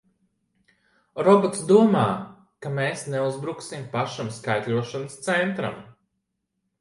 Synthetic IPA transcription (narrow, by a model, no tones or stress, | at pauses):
ɾɔbɔt̪sd̪uɔmaː | kameːsneuzbɾuksimpaʃamskajt̪lʲuɔʃanəst̪sɛnt̪ɾa̰m